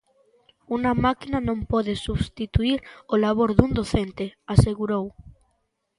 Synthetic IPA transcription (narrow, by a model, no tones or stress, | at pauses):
unamakinanõmpoðesuβst̪it̪uiɾolaβ̞oɾðund̪oθent̪easeɣuɾow